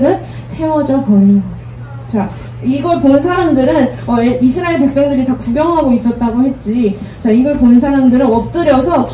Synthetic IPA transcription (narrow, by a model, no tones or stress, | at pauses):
ɾɯn | tʰe̞wʌd͡ʑʌkʌia | t͡ɕa | iɡʌɭponɯnsʰaɾamdɯɾɯnʌeisʰɯɾaeɭp̬e̞k̚s͈ʌŋdɯɾitakuɡjʌŋɦaɡois͈ʌt̚t͈aɡohe̞t̚t͡ɕ͈it͡ɕaiɡʌɭponɯnsʰaɾamdɯɾɯnʌp̚t͈ɯɾjʌsʰʌ